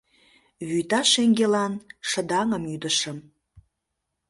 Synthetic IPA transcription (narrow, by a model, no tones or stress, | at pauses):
βyjt̪ɑʃeŋɡelɑnʃə̆d̪ɑŋəmyd̪əʃəm